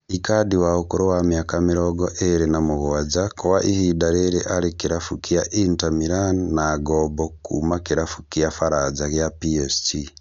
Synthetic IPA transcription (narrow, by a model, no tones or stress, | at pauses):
ikadiwahokuɾowamjakamiɾɔɡoʔeɾenamuβowad͡ʒakoβaʔihidaɾeɾeʔaɾikiɾafukiaʔintamiɾannaɡɔmbokṵmakiɾafukijafaɾad͡ʒaɣjapiesti